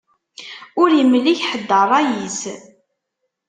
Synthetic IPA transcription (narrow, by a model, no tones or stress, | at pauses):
ʊɾjəmːlːiçħəd̪ːərˤɑjis